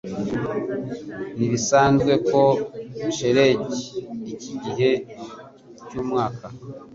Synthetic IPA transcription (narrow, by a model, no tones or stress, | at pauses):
niβisaːnzɡwe̞ko̞βiʃe̞ɾe̞ɟiːciɟiɦe̞ | cuːmŋaːka